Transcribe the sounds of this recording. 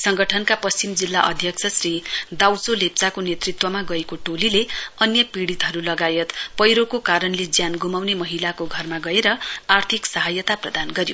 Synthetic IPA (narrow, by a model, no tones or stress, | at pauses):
sʌŋɡʌʈʰʌnkapʌst͡simd͡zilːaʔʌd̪ʱjʌkt͡sʰʌsrid̪awt͡solep̚t͡sakonet̪rit̪wʌmaɡʌekoʈolileʌnjʌpiɽit̪ɦʌɾulʌɡajʌt̪pʌjɾokokaɾʌnled͡zjanɡumawnemʌɦilakoɡʱʌrmaɡʌeɾʌart̪ʰiksʌɦajʌt̪aprʌd̪anɡʌɾjo